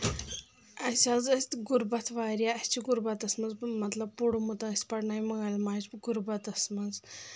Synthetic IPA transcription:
ɐsazɐsʲt̪ɡuɾbɐt̪ʰʋaːɾjaɐsʲt͡ʃiɡuɾbɐt̪ɐsmɐnzmɐt̪lɐb̚puɽumut̪ɐ̃ɐsʲt̪pɐɽnajmɐɡalmaːt͡ʃɡuɾbɐt̪ɐsmɐnd͡z

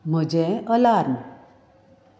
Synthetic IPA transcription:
m̤əd͡ʑeəlaɾn

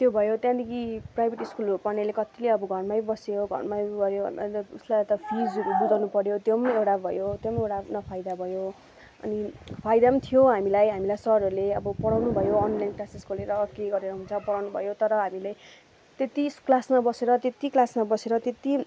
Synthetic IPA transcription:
t̪jobʱʌjot̪jãd̪ikiprajbʱeʈiskulopʌnelekʌt̪ileʌbʌɡʱʌrmajbʌsejoɡʱʌ̰rmaɡʌɾjobʌ̰na̰t̪uslat̪ʌpʰid͡zɦud͡z̪awnupʌɾjot̪jomewʈabʱʌjot̪jomewʈanʌpʰajd̪abʱʌjo | ʌ̰nipʰajd̪amt̪ʰijoɦamilajɦamilajsʌɦɾʌɾuleʌbʌpʌɽawnubʱʌjoʌnlajnʈasiskoleɾʌkeɡʌɾeɾʌɦũnt͡sʰʌpʌɽawnubʱʌ̰jot̪ʌɾʌɦamilaj | t̪et̪isklasmabʌseɾʌt̪et̪iklasmabʌseɾʌt̪et̪i

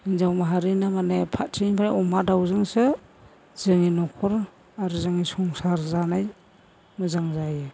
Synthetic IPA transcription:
inzawmaɦaɾinamanepʰatʰinbʰaɾeɔmadawzɯŋse | z̥ɯŋinɔkʰɔɾ | aɾɯzɯŋisɔŋsaɾzanaj | mɯzaŋzajɯ

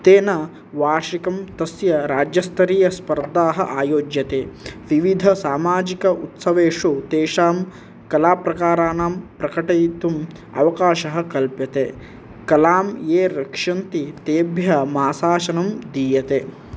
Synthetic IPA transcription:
t̪eːnɐ | ʋaːʂikɐmt̪ɐsjɐɾaːd͡ʒjɐst̪ʰɐɾiːjɐspɐɾd̪aːɦɐ̰ʔaːjoːd͡ʒjɐt̪eːʋiʋid̪ʱɐsaːmaːd͡ʒikɐʔut̪sɐʋeːʂut̪eːʂaːm | kɐlaːpɾɐkaːɾaːnaːmpɾɐkɐʈɐt̪um | ɐ̰ʋɐkaːʃɐɦɐkɐlpjɐt̪e | kɐlaːmjeːɾɐkʂɐnt̪it̪eːbʱjɐmaːsaːʃɐnɐmd̪iːjɐt̪eː

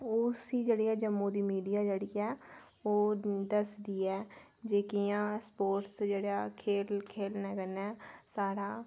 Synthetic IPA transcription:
ʊsiːd͡ʒeːɽiːɛːd͡ʒəmːõːd̪iːmiːɖijaːd͡ʒeːɽiːɛː | oːd̪əsd̪iːɛː | d͡ʒeːkijãːspoːɾʈsd͡ʒeːɽaːkʰeːlkʰeːlnɛːkənɛːsaːɾaː

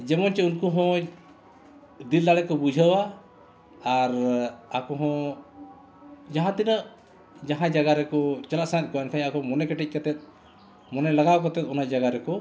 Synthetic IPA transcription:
d͡ʒɛmɔnt͡ʃɛunkɔɦɔ̃ | d̪ild̪aɽɛkɔbud͡ʒʱəwaː | ɾakɔɦɔ̃ | d͡ʒaɦãt̪inəʔ | d͡ʒaɦãd͡ʒaɡaɾɛkɔt͡ʃalaʔsãt̪̚ˀkɔɛnkʰajakɔmɔnɛkɛʈic̚ˀkat̪ɛt̪̚ˀ | mɔnɛlaɡawkɔt̪ɛt̪ɔnad͡ʒaɡaɾɛkɔ

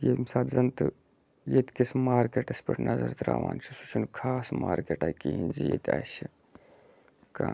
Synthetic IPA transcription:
jemsaːt̪zɐnt̪ɨ | jet̪ʲkismaːɾkeːʈɐspiʈnʔɐzɐɾt̪ɾa̰ːʋaːnt͡ʃʰisut͡ʃʰunkʰaːsmaːɾkeːʈaːjkiɦinzijet̪ʰʲaːsi | kaː

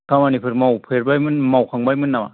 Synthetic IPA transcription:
kʰamanipʰɯɾmawpʰɯɾbajmɯnmawkʰaŋbajmɯnːama̰

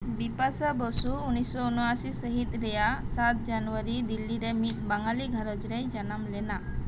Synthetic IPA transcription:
bipasabɔsuunissɔunasisəɦit̪ɾɛjasat̪̚d͡ʒanʋəɾid̪ilːiɾemit̪baŋɡaliɡʱaɾɔd͡ʒɾejd͡ʒanamlena

